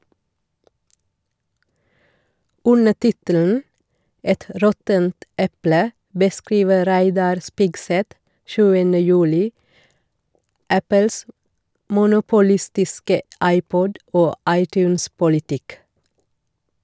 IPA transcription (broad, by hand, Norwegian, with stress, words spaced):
ˈʉnə ˈtɪtəln̩ ˈɛt ə ˈɾɔtənt ˈʔɛplə bəˈskɾiːʋə ˈɾæɪdɑɾ ˈspɪɡˌsɛt ˈʃʉːənə ˈjʉːlɪ ˈʔæpəls ə mʊnʊpʊˈlɪstɪskə ˈʔɑɪˌpɔd ˈoː ˈʔɑɪˌtjʉːnspʊlɪˌtɪk